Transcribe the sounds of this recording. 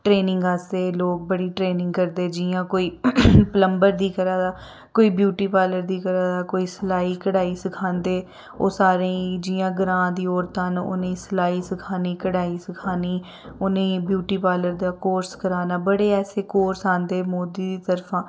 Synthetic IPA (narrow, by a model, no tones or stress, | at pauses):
ʈɾeːnɪ̃ŋɡaːseːloːk̚bəɽiːʈɾeːnɪ̃ŋɡkəɾd̪eːd͡ʒɪãːkoːiːpələmbəɾd̪iːkəɾaːd̪aː | koːiːbjuːʈiːpaːləɾd̪iːkəɾaːd̪aːkoːiːsəlaːiːkəɽaːiːsəkʰãːnd̪eː | o̰ːsaːɾẽːĩd͡ʒiːjãːɡəɾãːd̪iːoːɾt̪anʊ̰nẽiːsəlaːiːsəkʰaːniːkəɽaːiːsəkʰaːniː | ʊnẽbjuːʈiːpaːləɾd̪aːkoːɾskəɾaːnaːbəɽeːɛːseːkoːɾsãːnd̪eːmoːd̪iːd̪iːt̪əɾfʰãː